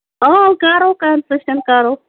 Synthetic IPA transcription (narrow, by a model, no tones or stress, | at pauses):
okaːɾokansɐʃʈɐnkaːɾo